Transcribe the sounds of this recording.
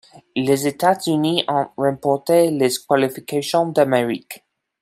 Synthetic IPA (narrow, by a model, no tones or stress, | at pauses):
lezet̪azyniɔ̃ʁɛ̃pɔʁt̪eleskwalifikasjɔ̃d̪ameʁḭk